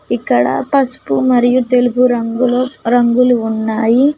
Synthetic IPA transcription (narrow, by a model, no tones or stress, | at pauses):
ikːɐɽɐ̰pɐsu̥pumɐɾijut̪e̞lupuɾɐɡulɾɐŋɡuluːnːaːji